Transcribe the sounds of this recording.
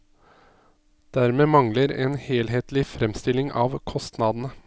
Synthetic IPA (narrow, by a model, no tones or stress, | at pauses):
d̪̥æɾmeːmɑŋləɾḛːnheːlɦeːt̪lɪfɾɛmst̪ɪlɪŋʔɑːʋkʰɔst̪nɑːd̪n̩ə